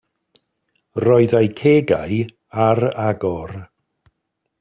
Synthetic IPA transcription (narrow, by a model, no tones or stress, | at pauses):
rɔɨðajkʰeːɡa̰j | aɾaɡɔr